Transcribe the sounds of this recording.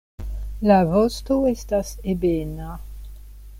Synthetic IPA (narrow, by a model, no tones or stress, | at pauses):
lavɔst̪oest̪asebena